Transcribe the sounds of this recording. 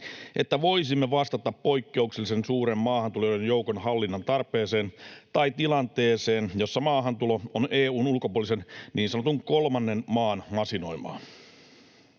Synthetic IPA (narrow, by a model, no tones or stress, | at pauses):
ʔe̞̰t̪ːæʋo̞isimːeʋɑst̪ɑt̪ːɑppo̞jkːe̞ukselːisensuːɾemːɑːhɑnt̪ulojojenjo̞ukonhɑlːinːɑnt̪ɑrpe̞ːse̞ːnt̪ɑjt̪ilɑnt̪e̞ːse̞ːnjo̞sːɑmɑːɦɑnt̪ulo̞oneːuːnulkopuolise̞nniːnsɑnot̪uŋko̞lmɑnːe̞nmɑːnmɑsino̞̰imˑɑ̰ː